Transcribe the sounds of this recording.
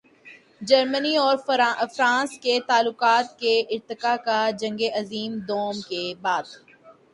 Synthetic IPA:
d͡ʒɐɾməniɔːɾfɾãːsket̪aːlːʊqaːt̪keʔɪɾt̪ɪkakad͡ʒɐ̃ŋɡeʔɐziːmd̪oːmkebaːd̪

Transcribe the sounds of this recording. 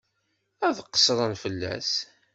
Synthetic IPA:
æðqːə̥sɾˤənfəlːæ̰s

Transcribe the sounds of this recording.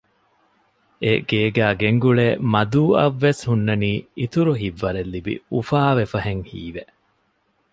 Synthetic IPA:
ʔeɡ̥eːɡæːɡeŋɡuɭeːmɐd̪uːɐ̰ʋːeshunːɐniːit̪uɾuɦiʋːɐɾelːibḭufaːʋefɐɦeŋhḭːʋe

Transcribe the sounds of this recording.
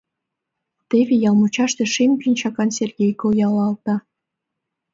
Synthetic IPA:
t̪eβʲejɑlˠmut͡ɕɑʃt̪ĕʃempinʲt͡ɕɑkɑnsʲerɡʲejkojɑlɑlˠt̪ɑ

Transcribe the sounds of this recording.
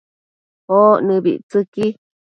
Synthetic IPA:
honɨ̃βḭʔt͡sɨki

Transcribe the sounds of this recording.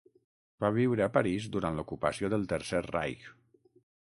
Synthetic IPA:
baβiwɾəːpəɾizd̪uɾant̪lukupəsioðəlˠt̪əɾserra̰jk

